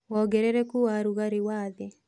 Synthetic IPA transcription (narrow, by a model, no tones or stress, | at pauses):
wɔɡɛɾɛɾɛkuwaɾuɣaɾewaːðɛ